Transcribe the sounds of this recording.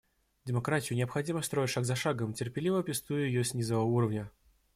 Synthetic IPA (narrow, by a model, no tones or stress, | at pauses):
dʲɪmɐkɾatʲɪjʊnʲɪəpxɐdʲiməst̪ɾo̞jɪtʲʂaɡzɐʂaɡəmtʲɪrpʲɪlʲivəpʲɪst̪ujʊjɪjosʲnʲizəvəuɾəvnʲə